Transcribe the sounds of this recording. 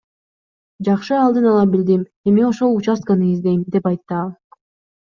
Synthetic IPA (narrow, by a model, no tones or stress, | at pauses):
d͡ʒɑχʃɯɑlˠd̪ɯnɑlˠɑbild̪im | e̞mio̞ʃo̞lˠut͡ʃɑskɑnɯizd̪e̞jmd̪e̞pɑjt̪ːɯɑlˠ